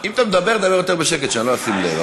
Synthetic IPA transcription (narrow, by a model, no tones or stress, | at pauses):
imat̪amed̪abeʁd̪abejot̪eʁbeʃeket̪ʃanloasimlḛv